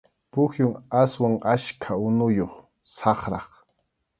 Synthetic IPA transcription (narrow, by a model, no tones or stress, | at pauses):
pʊxjʊŋaswaŋaʃkʰaʊnʊjoχ | sɑχɾɑχ